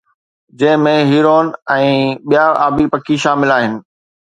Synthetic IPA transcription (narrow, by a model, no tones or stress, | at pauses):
d͡ʑɐ̃ɦɪ̃mẽɦiːɾoːnɛ̃ːɓijaaːbipɐkiʃaːmɪlaːɦɪnɪ̆